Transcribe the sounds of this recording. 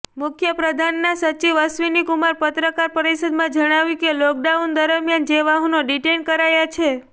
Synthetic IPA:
mʊkʰjəpɾəd̪ʱanːasət͡ʃiʋəsʋinikumaɾpət̪ɾəkaɾpəɾisəd̪mãd͡ʒəɽ̃aʋjikelɔk̚ɖaund̪əɾəmjand͡ʒeʋaɦũnoɖiʈenkəɾajat͡ʃʰe

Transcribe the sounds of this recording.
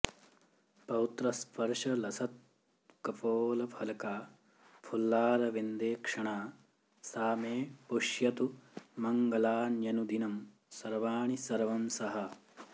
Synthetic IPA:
pɐwut̪ɾɐspɐɾʂɐlɐsɐt̪̚ | kɐpoːlɐpʰɐlɐkaː | pʰulːaːɾɐʋend̪eːkʂɐɳaː | saːmeːpuʂjɐt̪umɐŋɡɐlaːnjɐnud̪inɐm | sɐɾʋaːɳisɐɾʋɐmsɐɦɐ

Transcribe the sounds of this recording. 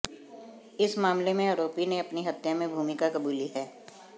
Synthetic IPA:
ɪsmaːmlemẽəɾoːpineɐpniɦɐt̪jamẽbʱuːmɪkakɐbuːliɦɛː

